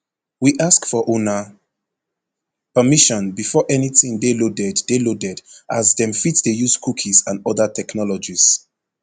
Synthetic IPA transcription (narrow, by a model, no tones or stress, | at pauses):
wiʔaskfɔʔonə | pəmiʃɔ̃nbifɔʔɛnitĩŋdelodɛddelodɛdʔazdɛ̃mfitdejuzkʰukʰizãnɔðətʰɛknɔlɔd͡ʒis